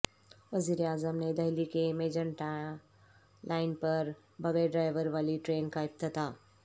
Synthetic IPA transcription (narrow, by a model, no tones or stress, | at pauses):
ʋəziːɾeaːzəmned̪ɐɦlikemeːd͡ʒəɳʈa | lʔaːɪnpɐɾ | bɐɡəɖɾaːɪʋəɾʋaːliʈɾeːnkaɪp̚t̪ət̪aː